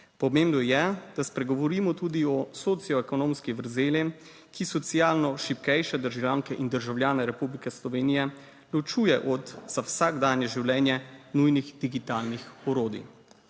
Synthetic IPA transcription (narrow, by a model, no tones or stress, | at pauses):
pɔmeːmbnɔjɛd̪̥aspɾɛɡɔʋɔɾiːmɔt̪uːd̪iɔsot̪sijɔɛkɔnõːmskiʋəɾzeːlɛm | kisɔt̪sijaːlnɔʃipkɛjʃɛd̪əɾʒawlʲjaːŋkɛʔind̪əɾʒawlʲjaːnɛɾɛpublikɛslɔʋeːnijɛ | lɔt͡ʃuːjɛʔɔd̪z̥awsaɡd̪aːnjɛʒiwlɛːnjɛnujniɣd̪iɡit̪aːlnixɔɾoːd̪ḭ